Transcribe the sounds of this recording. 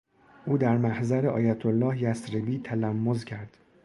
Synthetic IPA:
ʔuːd̪æɾmæhzæɾeʔɒ̰ːjæt̪ʰolːɒːhjæsɾebiːt̪ʰælæmːozcʰæɾd̪̥

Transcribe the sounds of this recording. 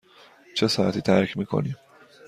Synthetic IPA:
t͡ʃʰesɒːhæt̪ʰiːt̪ʰæɾkʰmiːkʰo̰niːm

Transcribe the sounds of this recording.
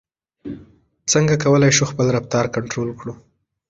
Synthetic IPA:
t͡səŋɡakawəlajʃuxpəlɾap̚t̪ɑɾkaɳʈɾolkɽu

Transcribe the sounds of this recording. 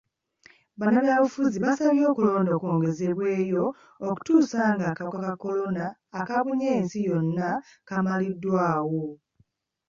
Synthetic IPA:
βanaβjalufuziβasaβjo̞ːkulo̞ːndo̞ːkoːŋɡe̞ze̞βwe̞ːjo̞ː | ku̥tuːsaːŋɡaːkawokakako̞lo̞naːkaβuɲeːnsijo̞nːakamalidːwaːwo̞

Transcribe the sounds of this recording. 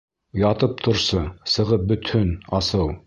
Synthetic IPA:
jɑt̪ɤp̚t̪ʰŏɾsɤsɤ̆ʁɤp̚bɵ̆t̪ɵnɑsɤw

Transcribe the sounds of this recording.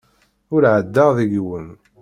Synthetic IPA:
ʊɾʕəd̪ːaðiɡwən

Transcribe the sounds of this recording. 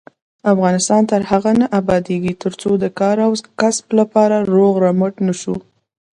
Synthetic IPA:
afɣɑnɪst̪ɑnt̪əɾhaɣanaʔabɑd̪eɡit̪əɾt͡sod̪əkɑɾawkasblapɑɾaɾoɣɾaməʈnəʃu

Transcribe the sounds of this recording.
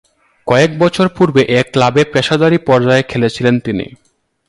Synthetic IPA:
kɔek̚bɔt͡ɕʰoɾpuɾbeʔeklabepɛʃad̪aɾipɔɾd͡ʑaekʰelet͡ɕʰilent̪inḭ

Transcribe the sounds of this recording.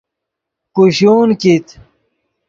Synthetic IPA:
kuɕuːnkit̪

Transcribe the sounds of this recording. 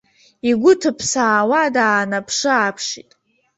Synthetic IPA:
iɡʷʊtʰɨpʰsaːwadaːnapʰʂɨapʰʂitʼ

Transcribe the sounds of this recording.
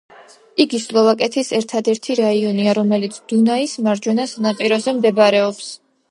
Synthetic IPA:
iɡislˠɔvakʼɛt̪ʰisɛɾt̪ʰad̪ɛɾt̪ʰiɾaiɔniaɾɔmɛlit̪sʰd̪̥unaismaɾd͡ʒwɛnasanaqʼiɾɔzɛmd̪ɛbaɾɛɔps

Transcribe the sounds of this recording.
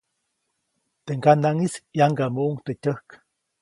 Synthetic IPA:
t̪eŋɡanaŋisjaŋɡamuʔuŋt̪etəhk

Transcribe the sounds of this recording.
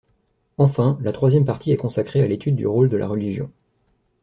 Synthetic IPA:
ɑ̃fɛ̃lat̪χwazjɛmpaʁt̪ʰiɛkɔ̃sakχealet̪ʰyd̪ːy̰ʁold̪əlʔa̰ʁəliʒjɔ̃

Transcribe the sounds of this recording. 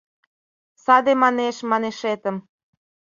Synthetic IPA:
sɑd̪emɑneʃmɑneʃet̪ə̆m

